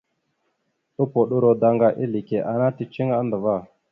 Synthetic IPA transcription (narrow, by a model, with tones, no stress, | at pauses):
ɗu˦po˨ɗu˦ɾo˦da˧ŋɡa˦ʔi˦li˨ke˨ʔa˨na˦ti˦t͡ʃi˦ŋa˦ndə˨va˦˨